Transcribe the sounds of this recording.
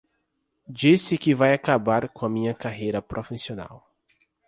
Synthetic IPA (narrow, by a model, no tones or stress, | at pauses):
d͡ʒisɪkɪvajakabaɾkõɐmĩɲɐkaɦejɾɐpɾʔofisiona̰w